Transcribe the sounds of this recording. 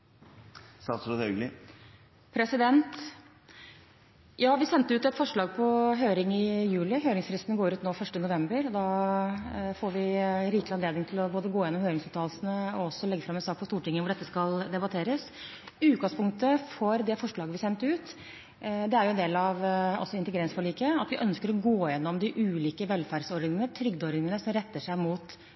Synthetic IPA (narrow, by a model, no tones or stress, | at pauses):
sɑsɾɔt̪œɡlɪ | pʰɾɛsɪd̪ɛnt̪ | jɑːʋɪsɛnt̪əʉːt̪ɛt̪fɔʂɭɑːɡ̚pʰɔɦøːɾɪŋɪjʉːlɪɦøːɾɪŋsfɾɪst̪nəɡoːɾʉːt̪noːfœʂʈənʊʋɛmbəɾɔd̪ɑː | foːɾʋɪɾiːklɪhɑnleːd̪ɪŋt̪ʰɪlɔboːd̪əɡoːjɛnːɔmhøːɾɪŋsʉːt̪ʰɑːlsənəɔɔsːɔlɛɡːəfɾɑmɛnsɑːk̚pʰɔst̪uːʈɪŋːəʋʊɖɛt̪ːəskɑld̪ɛbɑt̪ʰeːɾəs | ʉːt̪̚ɡɑŋspʊŋk̚t̪əfɔɾd̪ɛfɔʂɭɑːɡəʋɪsɛnt̪ʉːt̪ | d̪ɛæɾjʊɛnd̪eːlɑʋɔ̰sːɔɪnt̪əɡɾɛnsfɔɭiːkəɑt̪ʋɪʔœnskəɾɔɡoːjɛnːɔmd̪ɪʔʉːliːkəʋɛlfæɾɖsɔɾnɪŋənət̪ʰɾʏɡd̪ɔɾnɪŋənəsɔmɾɛt̪ːəʂæɪmuːt̪